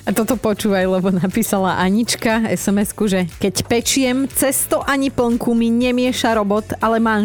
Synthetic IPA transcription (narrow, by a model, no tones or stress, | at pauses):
at̪ɔt̪ɔpɔt͡ʃuːʋajlɛbɔnapiːsalaʔaɲit͡ʃkaɛ̰sɛmɛskuʒɛkɛcpɛt͡ʃɪɛmt͡sɛst̪ɔʔaɲipl̩ŋkumiɲɛmɪɛʃaɾɔbɔt̪alɛmaː